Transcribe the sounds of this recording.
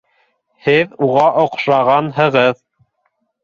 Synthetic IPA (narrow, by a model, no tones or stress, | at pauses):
hɘðuʁɑʔŏqʃɑʁɑnɦɤ̆ʁɤð